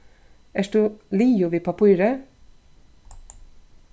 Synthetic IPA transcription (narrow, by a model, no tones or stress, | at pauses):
æːʃd̪ʉːliːʊʋiːpʰɑpʰuːɾə